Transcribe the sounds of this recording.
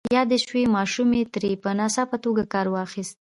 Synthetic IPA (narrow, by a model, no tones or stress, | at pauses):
jɑd̪eʃwemɑʃumet̪ɾepənɑsapət̪oɡakɑɾwɑxist̪̚